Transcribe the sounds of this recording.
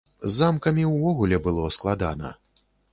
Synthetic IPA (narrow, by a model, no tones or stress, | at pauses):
zːamkɐmʲiwvɔɣulʲɛbɨlˠɔsklˠad̪a̰nɐ̰